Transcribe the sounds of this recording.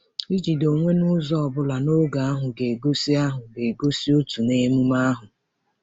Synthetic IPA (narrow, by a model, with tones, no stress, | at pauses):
i˦d͡ʒi˨do˨ŋʷe˦nʊ˦zɔ˦ɔ˨bʊ˦la˨no˦ɡa˨a˦ɦʊ˨ɡe˨ɡo˦si˦a˦ɦʊ˨ɡe˨ɡo˦si˦o˦tu˨ne˦mu˦ma˦ɦʊ˨